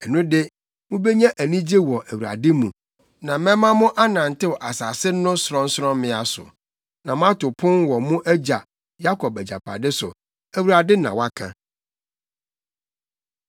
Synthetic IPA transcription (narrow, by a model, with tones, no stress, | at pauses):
ɛ˨nũ˦dɪ˦ | mʊ̃˦be˦ɲã˦ʔæ˨nĩ˦d͡ʑe˦wɔ˨ʔæ˨wu˨a̰˨dɪ˦mũ˨ | nã˨mɛ̃˦mã˦mʊ̃˦ʔa˦nã˨n̩˨tɪ˦wɔ˨ʔa˨sa˨sɪ˦nʊ̃˦sɾɔ̃˦n̩˦sɾɔ̃˦m˦mɪ̃˦a˨sʊ̰˨ | nã˨mʊ̃˦a˦tʊ˨pʰʊ̃˦nwɔ˨mʊ̃˦ʔæ˦d͡ʑa˨ | ja˦kʰɔ˨p̚æ˨d͡ʑa̰˨pʰa̰˨dɪ˦sʊ̰˨ | æ˨wu˨ɾa˨dɪ˦nã̰˨wa˦kʰã̰˨